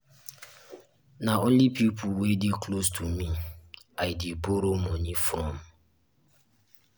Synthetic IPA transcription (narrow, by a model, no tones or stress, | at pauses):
naonlipipʰʊlwedeklostʰumi | aɪdiboɾomɔnifɔm